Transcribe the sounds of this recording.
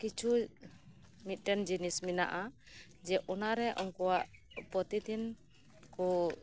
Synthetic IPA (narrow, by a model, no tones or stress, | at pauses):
kit͡ʃu | mit̪̚ʈɛnd͡ʒinismina̰ʔa | d͡ʒɛʔɔnaɾɛʔɔŋkuaʔ | pɔt̪it̪in | kɔ